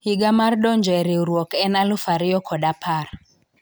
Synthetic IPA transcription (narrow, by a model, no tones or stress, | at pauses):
hiɡamardɔɲd͡ʒɔɛɾeuɾwɔkɛnalʊfaɾɪjɔkʰɔɗapʰar